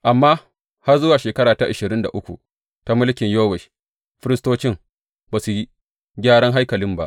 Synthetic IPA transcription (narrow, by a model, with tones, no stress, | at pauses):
ʔa˨mːaː˦ | ha˦rzʊ˦waː˨ʃeː˨kɐ˦ɽaː˨ta˦ʔa˨ʃɪ˨ɾɪ˦nda̰˨ʔʊ˦kʷṵ˨ | ta˦mʊ˦lkʲɪ˨ɲjoː˦wɛ˨ʃ | ɸɪ˦ɾɪ˦stoː˦t͡ʃɪ˦ŋ | baː˨su˨ji˦ | ɡʲaː˦ɽɐ˦ŋɦa˦jkɐ˨lɪ˦mba˦ʔ